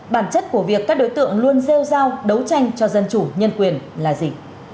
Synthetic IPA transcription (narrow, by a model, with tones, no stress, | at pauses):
ɓaː˧˩nt͡ɕə˦˥t̚ku˧˩əvi˨˩əkːaː˦˥k̚ɗo˨˦jt̪ɨ̰˧˨əŋlu˧ənze˧wzaː˧wɗə˨˦wt͡ɕa˧jŋ̟t͡ɕɔ˧zə˧nt͡ɕu˧˩ɲə˧nkwi˨˩ənlaː˨˩zi˨˩